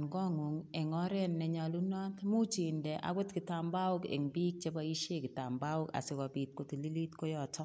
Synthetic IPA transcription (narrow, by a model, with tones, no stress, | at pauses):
nɡɔ˦ŋu˨ŋɛ˨ŋɔ˦ɾɛ˦nːɛ˨ɲa˨lu˦nɔ˦t̪mu˦t͡ʃi˨ndɛ˨ʔa̰˨ɡo˦tkɪ˨ta˨mba˦ʊ˦kḛ˨ŋbi˦k̚t͡ʃe˦ba˦i˦ʃe˦˨kɪ˨ta˨mba˦ʊ˦ka̰˨sɪ˨ka˨bi˨t̚ko˨ti˨li˦li˦tko˦jɔ˨tɔ˦